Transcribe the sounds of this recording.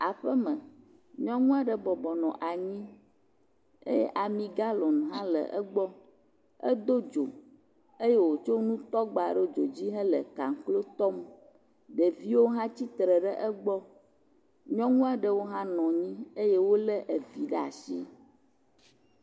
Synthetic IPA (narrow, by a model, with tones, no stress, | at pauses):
a˨ɸə˦mə̃˨ | ɲɔ̃˦ŋũ˦a˨ɖə˨bɔ˨bɔ˨nɔ̃˨ʔa˨ɲĩ˦ | ḛ˦jɛ̰˦ʔa˨mĩ˨ɡa˦lɔ̃˨n˨ɦã˦lə̰˨ʔə˦ɡ͡bɔ˦ | ə˦d̪o˦d͡ʒo˨ | e˦je˦wo˨t͡ʃo˦nũ˦t̪ɔ˦ɡ͡ba̰˨ɖɛ˦d͡ʒo˨d͡ʑi˦ɦə̃˦lə̰˨ka̰˨ŋ˨klo˦t̪ɔ˦m | ɖə˨vi˦wo˦ɦã˦t͡ɕi˦t̪ɾə˨ɖə˦ʔə˦ɡ͡bɔ˦ | ɲɔ̃˦ŋũ˦a˨ɖə˦wo˦ɦã˦nɔ̃˨ɲĩ˦e˦je˦wo˦lɛ˦ʔə˨vi˨ɖɛ˦a̰˨si˦